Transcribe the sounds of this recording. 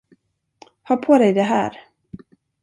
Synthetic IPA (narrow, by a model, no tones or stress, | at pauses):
hœːɾpʰod̪ɛjd̪ɛɦæ̰ːɾ